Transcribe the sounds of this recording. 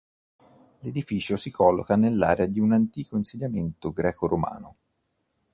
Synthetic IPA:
led̪ifiːt͡ʃosikʰɔlːo̰kanelːaːɾead̪iunant̪iːkoinsiʎːament̪oɡɾɛːkoɾoma̰ːno

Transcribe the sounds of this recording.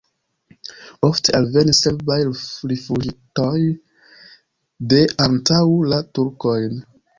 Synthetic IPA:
oftealve̞niselbajɾifud͡ʒitoj | de̞ʔantawlatuɾkojn

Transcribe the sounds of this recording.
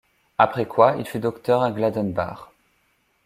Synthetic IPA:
apχɛkwaḭlfyd̪ɔkt̪œʁaɡlad̪ɛnba̰ʁ

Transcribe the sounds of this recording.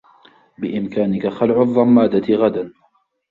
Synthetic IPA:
bɪʔɪmkaːnɪkaxalʕʊðˤːɑmːaːd̪aɪɣad̪an

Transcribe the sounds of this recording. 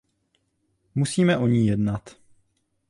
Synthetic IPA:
musiːmɛʔoɲiːjɛdnat̪

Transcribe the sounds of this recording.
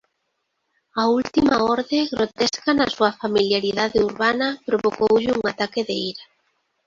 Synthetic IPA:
ault̪imaɔɾðeɣɾot̪eskanɐsuɐfamiljaɾiðaðɪuɾβanɐpɾoβokowʎɪuŋat̪akɪðeiɾɐ

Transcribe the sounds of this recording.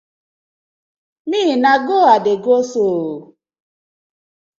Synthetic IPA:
niːinaɡoadeɡoso

